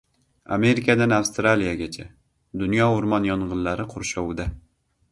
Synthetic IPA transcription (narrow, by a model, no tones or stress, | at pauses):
a̰me̞ɾɪkʰad̪anafst̪ɾalijaɡʲat͡ʃʰa | d̪ʊnjɒʊɾmɒnjɒnʁɨnlaɾɪqʰʊɾʃɒwd̪a